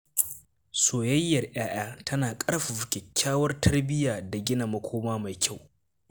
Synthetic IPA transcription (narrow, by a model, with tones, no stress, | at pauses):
soː˨jɐ˦jːɐ˨rʔj̰aː˦ʔaː˦tʰɐ˦naː˨kʼɐ˦rɸa˨ɸʊ˨kʲɛ˨kʲːaː˦wɐ˦rtʰɐ˦rbɪ˦jaː˨da˨ɡʲɪ˦na˨mɐ˦kʷʰoː˦maː˦ma˨jkʲʰa˦˨w